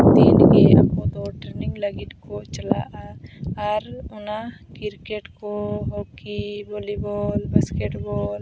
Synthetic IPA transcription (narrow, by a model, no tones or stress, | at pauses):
t̪ḭnɡea̰kɔ̃d̪ɔʈɾeniŋlɐɡit̪kɔt͡ʃɐla̰ʔaː | ɾɔnakiɾkeʈkɔɦokibolibɔlbɐskeʈbɔːl